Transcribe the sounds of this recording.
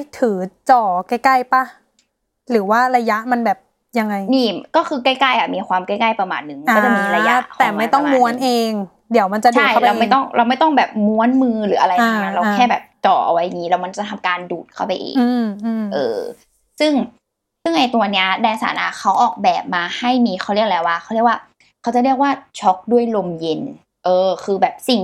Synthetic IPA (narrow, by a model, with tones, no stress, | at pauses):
t̪ʰɯː˩˦t͡ɕɔː˨˩kaː˥˩ka˥˩jpa˧˩ | ɾɯː˩˦waː˥˩ɾa˧ja˦˥ʔma˧nbɛː˨˩p̚ | ja˧ŋːa˧jmiː˥˩kɔː˥˩kʰɯː˧kaː˥˩jkaː˥˩jʔa˨˩miː˧xʰwaː˧mkaː˥˩jkaː˥˩jpɾa˧ma̰ː˧˩n̚ːɯ˨˩ŋka˥˩˧a˧˩miː˧ɾa˧ja̰˦ʔ̪ʰɛː˧˨˩ma˥˩jt̪ɔ˥˩ŋm˧u˧˥ənʔeː˧ŋ | di˩˦əwma˧nt͡ɕa˨dt͡ɕʰua˨tj̚ʰa˥ɾpa˧wmːa˥˩jt̪ɔ˥˩ŋɾʔa˧wma˥˩jt̪ɔ˥˩ŋbɛː˨˩p̚mu˧˥ə˨nmɯː˧ɾɯː˩˦ʔa˧ɾa˧jaː˧a˨˧˩a˦˥ɾa˧wkʰɛː˥˩bɛː˨˩p̚t͡ɕɔː˨˩ʔa̰˧wa˦ja˨˩ŋiː˦˥lɛː˦˥wma˧nt͡ɕa˨t̪ʰa˧mkaː˧nduː˨˩t̪̚kʰa˥˩wpa˧jʔḛː˧ŋɯŋː˧mː˧ʔɤː˧ | sɯ˥˩ŋ | sɯ˥˩ŋʔa˧jt̪u˧ɐni˦˥ɐdaː˧sa̰ː˨˩˦nʔa̰˧˩kʰa˦˥wʔɔː˨˩k̚bɛː˨˩p̚maː˧ha˥˩jmiː˧xʰa˦˥wɾli˥˩ək̚lɛː˦˧waː˧˩kxʰa˦˥wɾi˥˩ək̚waː˥˩ | kʰa˦˥wt͡ɕa˨˩lɾi˥˩ək̚waː˥˩t͡ɕʰɔ˦˥k̚du˥˩əjlo˧mje˧n | ʔɤː˧kʰɯː˧bɛː˨˩p̚si˨˩ŋ